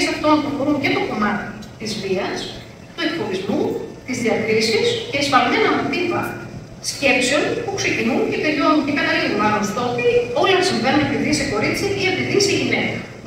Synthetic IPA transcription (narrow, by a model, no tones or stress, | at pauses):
sɐft̪o̞npɾokoɾunce̞t̪o̞ko̞mɐt̪i̥t̪izviɐs | t̪ue̞kpo̞vizmut̪izðiɐk̪ɾisisceisfɐlme̞nɐmot̪ipɐ | sce̞pseo̞npuksecinunce̞t̪e̞lʎo̞ncekɐt̪ɐliɣunɐmɐst̪ɐot̪io̞lɐsiɱvenunep̪iðiseko̞ɾit͡siiɐpiðiseʝine̞kɐ